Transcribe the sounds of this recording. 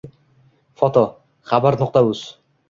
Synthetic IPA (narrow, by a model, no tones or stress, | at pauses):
fot̪o | χabaɾnoq̚t̪aʉz